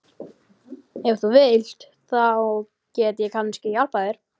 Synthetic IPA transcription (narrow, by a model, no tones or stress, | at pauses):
ɛvɾθuvɪl̥t̪ | θaɔɣ | cɛːt̪ɪjɛkʰanscɪjalpajðɪɾ̥